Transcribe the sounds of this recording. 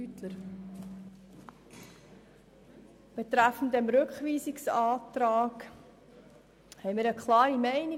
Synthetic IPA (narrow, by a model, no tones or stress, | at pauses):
ytləɾ | b̥et̪ɾæfən̩dəmɾɵkχʋiːzɪksɑːtɾaːk | hɛɪmiːɾəkʰlɑːɾimɛɪni